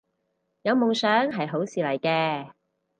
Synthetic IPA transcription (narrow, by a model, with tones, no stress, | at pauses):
jɐ˨˧wmʊ˨˩ŋsœː˨˥ŋɦɐ˨jɦo˨˥wsiː˨lɐ˨˩jkɛː˧